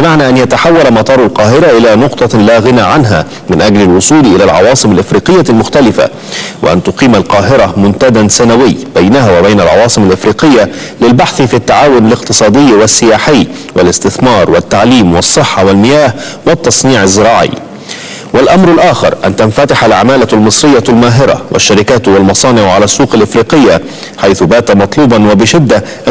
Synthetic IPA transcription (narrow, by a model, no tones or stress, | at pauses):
bɪmaʕnaːʔanjat̪aħawːalamɑt̪ˤɑːɾˤalqɑːɦɪɾaʔɪlaːnʊqt̪ˤɑlaːɣɪnaʕanɦa̰ | mɪnʔaɡlalwʊsˤuːlʔɪlaːlʕɑ̰wɑːsˤɨmalʔɪfɾiːqɪjːalmʊxt̪alɪfa̰ | wɪ̰ʔa̰nt̪ʊqiːmalqɑːɦɪɾamʊnt̪ad̪ansanawɪjːb̥ajnaɦawabajnalʕɑ̰wɑːsˤɨmalʔɪfɾiːqɪjːa | lɪlbaħθfiːt̪ːaʕaːwʊnalɪqt̪ɨsˤɑːd̪ɪjːwɪsːɪjaːħɪjː | walɪst̪ɪθmɑːɾˤwat̪ːaʕliːmwɑsˤːɨħːɑwalmɪjaːh | wɪt̪ːɑsˤniːʕɪzːɪɾɑːʕɪ̰jː | walʔamɾɪlʔaːxɪ̰ɾʔa̰nt̪anfat̪ɪħalʕamaːlalmɨsˤɾɪjːalmaːɦɪɾˤa̰wʔa̰ʃːaɾɪkaːt̪walmɑsˤɑːnɪʕʕalasːuːqalʔɪfɾiːqɪjːa | ħajθʊbaːt̪amɑt̪ˤluːbɑnwabɪʃɪd̪ːa | ʔ